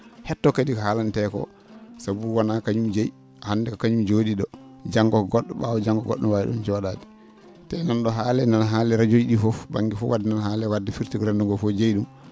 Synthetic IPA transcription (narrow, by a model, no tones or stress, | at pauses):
hɛtːɔkadikɔhalantɛkɔ̰ | sabuwanakaɲumd͡ʒej | hanːdɛkakaɲumd͡ʒodiɗɔd͡ʒaŋɡɔkɔɡɔɗːɔɓa̰wɔd͡ʒaŋɡɔɡɔ̰ɗːɔwajɛ̰ɗɔ̰nt͡ʃɔwaɗadi̥ | tɛnanɗɔɦaːlɛnanɦaːlɛɾad͡ʒojɗifɔfba̰ŋɡifɔ̰wadɛnanhaːlɛwadːɛfiɾtiɡɾɛnduŋɡɔfɔd͡ʒejɗum